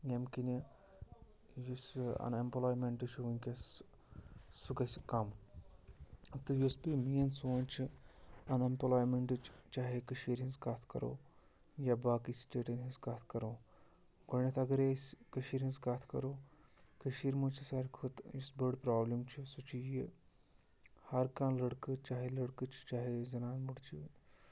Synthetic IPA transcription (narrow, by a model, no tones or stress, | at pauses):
jemkini | jusɐ̰nemplaːjmeɳʈɨt͡ʃʰuunʲkʲes | suɡɐsʲkɐm | t̪ɨjuspimijɐnsunʲt͡ʃʰiɐnɐmplaːjmeɳʈɨt͡ʃt͡ʃaːɦekɨʃiːɾɦinskat̪ʰkɐ̰ɾo̰ː | jabaːkisʈeːʈɐnɦiskat̪ʰkɐɾoː | ɡoɳɐt̪ʰɐɡɐɾesʲkɐʃiːɾɦinzkat̪ʰkɐ̰ɾoːkʰəʃiːɾmuɽt͡ʃʰisaːɾʲkʰut̪isbɐɽpɾaːblimt͡ʃʰisut͡ʃiji | hɐɾkãːnlɐɽkɨt͡ʃaːɦelɐɽkɨt͡ʃʰt͡ʃaːɦezɐnaːnmuɽt͡ʃʰi